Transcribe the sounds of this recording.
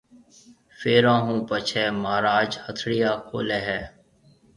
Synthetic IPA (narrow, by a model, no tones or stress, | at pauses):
feːɾãːɦũːpət͡ʃʰɛːmaːɾaːd͡ʒhət̪ʰɽɪjaːkʰo̰ːlɛːɦɛː